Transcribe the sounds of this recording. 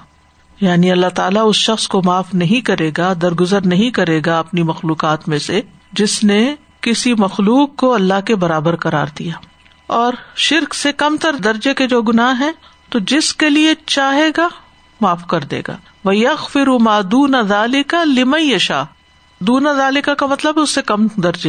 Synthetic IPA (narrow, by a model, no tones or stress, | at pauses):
jaːniɐlːat̪aːlaʊsʃɐxskomaːfnɐɦĩkɐɾeːɡad̪ɐɾɡʊzəɾnɐɦĩkɐɾeːɡaɐpnimɐxluːqaːt̪mẽse | d͡ʒɪsne | kɪsimɐxluːqːoɐlːaɦkebɐɾaːbəɾqɐɾa̰ːɾd̪ijaː | ɔːɾʃɪɾksekɐmt̪ɐɾd̪ɐɾd͡ʒeked͡ʒoːɡʊnaːɦɦɛ̃ː | t̪od͡ʒɪskeliet͡ʃaːɦeːɡa | maːfkɐɾd̪ḛːɡa̰ː | ʋɐjɐɣfɪɾumaːd̪uːnaðaːlɪkalɪmɐ̃jɐʃa̰ː | d̪uːnaðaːlɪkakamɐt̪ləbʊsːekɐmd̪ɐɾd͡ʒeː